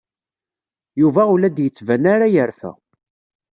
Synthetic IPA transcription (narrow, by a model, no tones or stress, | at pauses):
juvæulæd̪jət͡sːvænaɾajəɾfæ̰